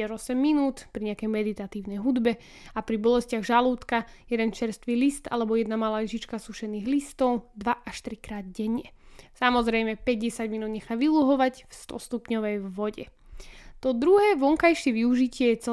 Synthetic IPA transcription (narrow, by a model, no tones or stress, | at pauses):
ɛɾɔsɛmːinuːt̪pɾiɲɛakɛjmɛd̪it̪at̪iːʊnɛjɦud̪bɛ | apɾibɔlɛscɪaɣʒaluːt̪kajɛd̪ɛnt͡ʃɛɾst̪ʋiːlist̪a̰lɛbɔjɛd̪namalaːɛʒit͡ʃkasuʃɛniːɣlist̪ɔʊd̪ʋaʔaʃt̪ɾikɾaːd̪̚ɟɛɲjɛsamɔzɾɛjmɛpɛɟɟɛsaɟminuːd̪ɲɛxaʋiluɦɔʋacfst̪ɔ̰st̪upɲɔʋɛjvʋɔɟɛ̰ | t̪ɔd̪ɾuɦɛːʋɔŋkajʃɪɛʋiuʒicɪɛjɛt͡sɛ